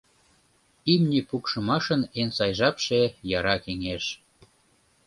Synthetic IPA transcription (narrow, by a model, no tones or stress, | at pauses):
imnʲipukʃəmɑʃənensɑjʒɑpʃejɑɾɑkeŋeʃ